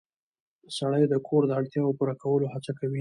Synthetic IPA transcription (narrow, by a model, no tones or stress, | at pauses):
əsaɽ̃əjd̪əkʰoɾd̪əaɽt̪jɑopuɾakawəlohat͡sakawi